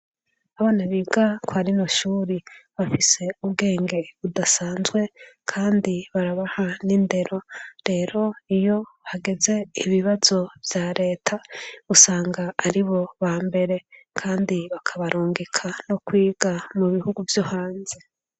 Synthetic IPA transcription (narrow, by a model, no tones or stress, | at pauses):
aβanaβiːɡakwaɾinoʃuːɾiβafise̞uβɡe̞ːŋɡe̞βudasaːnzɡwe̞kʰaːndiβaɾaβahaninde̞ɾo̞ɾe̞ːɾo̞ijo̞haɡe̞ze̞iβiβaz̥o̞vjaɾʔe̞ːtʰausaːŋɡaːɾiβo̞βaːmbe̞ɾe̞kʰaːndiβakʰaβaɾuːŋɡekʰanokwiːɡ̥amuβihuɡuvjohaːnze